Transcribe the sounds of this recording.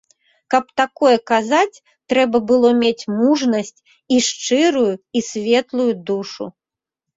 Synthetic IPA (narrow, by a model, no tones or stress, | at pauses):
kɐp̚t̪akɔjɛkazat͡sʲ | t̪ɾɛbɐbɨlˠɔmʲet͡sʲmuʐnɐsʲt͡sʲ | iʂt͡ʂɨɾujuisʲvʲɛt̪lˠujud̪uʂṵ